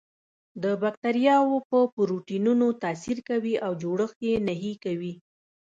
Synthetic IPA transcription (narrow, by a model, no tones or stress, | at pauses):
d̪əbak̚t̪aɾijɑwopəpʊɾuʈinunot̪ɑsiɾkawiʔawd͡ʒoɽəxjenaɦikawi